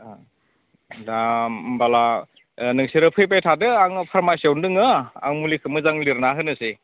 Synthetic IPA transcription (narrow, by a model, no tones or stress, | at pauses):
dambala | nɯŋsiɾɯpʰɯjp̬ajtʰadɯaŋpʰaɾmajsjawndɯŋɯa̰ŋmulikʰɯmɯzaŋliɾnaɦɯnɯsi